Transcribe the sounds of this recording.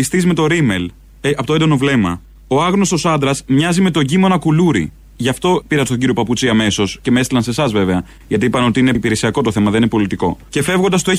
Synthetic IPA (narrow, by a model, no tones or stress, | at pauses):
ist̪izme̞t̪o̞ɾime̞l | eɐpot̪oed̪o̞no̞vle̞mɐ | oɐɣno̞st̪o̞sɐnd̪ɾɐzmɲɐzime̞t̪o̞ɟimo̞nɐkuluɾḭ | ʝɐft̪o̞piɾɐst̪o̞ɟiɾio̞pɐput͡siɐme̞so̞sce̞meest̪ilɐnse̞sɐzve̞veɐ | ʝɐt̪iipɐneo̞t̪iinepiɾe̞siɐko̞t̪oθe̞mɐðeninepo̞lit̪iko̞̰ce̞fe̞vɣo̞nd̪ɐst̪oe